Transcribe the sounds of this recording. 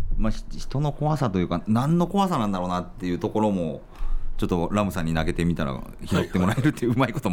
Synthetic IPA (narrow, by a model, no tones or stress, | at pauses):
maɕçi̥t̪o̞no̞ko̞βasat̪o̞jɯ̟ːkanãnːo̞ko̞βasanãnd̪aɾo̞ːnat̪ːe̞jɯ̟t̪o̞ko̞ɾo̞mo̞ | t͡ɕo̞t̪ːo̞ɾamɯ̟sãɲ̟ːinaɡe̞t̪e̞mʲit̪aɾa̰çiɾo̞t̪ːe̞mo̞ɾaeɾɯt̪ːejɯɯɯmaiko̞t̪o